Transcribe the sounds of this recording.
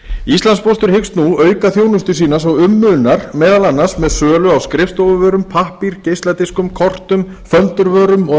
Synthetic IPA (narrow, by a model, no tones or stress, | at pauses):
ist̪lanspɔst̪ʏɾ̥hɪkst̪nuœːɥkaθjoːwnʏst̪ʏsiːnasɔɣʏmːʏnaɾ̥mɛːðalanːasmɛðsœːlʏawskɾɪft̪owvʏvœːɾʏmpʰahpiɾcejst̪at̪iskʏmkʰɔr̥t̪ʏm | fœnt̪ʏɾvœːɾʏmɔ